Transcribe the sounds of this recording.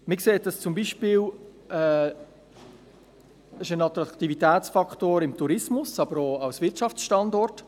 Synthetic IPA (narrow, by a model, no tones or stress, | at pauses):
mɪkseːt̚d̥ɑst͡sʊmbiːʃpiːl | ɛː | ɪʃənɑt̪ɾɑkt̪ivitɛːt͡sfɑktoːɾɪmt̪ʰuɾɪsmʊsɑbəɾoɑwsvɪɾtʃɑft͡ssʃtɑndɔrt